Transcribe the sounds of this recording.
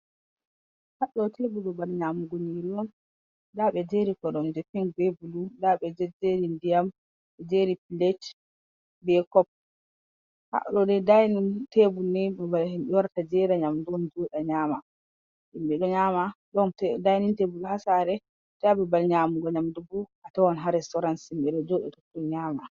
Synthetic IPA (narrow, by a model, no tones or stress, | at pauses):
haɗɔtebuɗɔbalɲaːmuɡoɲiɾiɔn | daɓɛd͡ʒeɾikɔɗɔmd͡ʒɛfɛŋbebuludaɓɛd͡ʒɛd͡ʒeɾindijam | ɓɛd͡ʒeɾipilet͡ʃ | bɛkɔp̚ | ha̰ɗɔdɛdajnintebunːɛbabalhimɓɛwaɾtad͡ʒɛɾaɲamdɔnd͡ʒɔɗaɲaːma | imɓɛɗɔɲaːmaɗɔntdajnintebuluhasaɾɛ | tɛabɛbalɲaːmuɡɔɲamduɡɔatawɔnɦaɾɛstɔɾansimɓɛɗɔd͡ʒɔɗɛtɔkɗɔɲaːma